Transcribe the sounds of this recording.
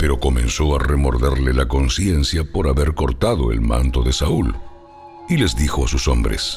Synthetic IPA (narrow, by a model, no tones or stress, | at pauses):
pe̞ɾo̞ko̞mẽ̞nso̞aremo̞ɾðeɾlelako̞nsje̞nsjapo̞ɾaβe̞ɾko̞ɾt̪aðo̞ḛlmã̰nt̪o̞ðe̞saul | ile̞zðixo̞asusombɾe̞̰s